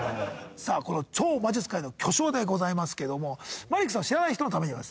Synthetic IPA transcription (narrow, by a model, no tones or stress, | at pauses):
saːko̞no̞t͡ɕo̞ːmad͡ʑit͡sɨ̥kaino̞kʲo̞ɕo̞ːd̪e̞ɡo̞zaimasɨ̥ke̞d̪o̞mo̞maɾʲikɯ̟̥sãaɕiɾanaiçi̥tonot̪ame̞ɲiβas